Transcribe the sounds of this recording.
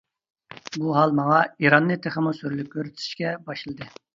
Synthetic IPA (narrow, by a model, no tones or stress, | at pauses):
buɦɑlˠmɑŋɑiɾɑnːɨt̪ʰeχəmusyɾlyk̚ʲːøɾt̪ʰɪ̥ʃkʲɛbɑʃlˠɨd̪ɨ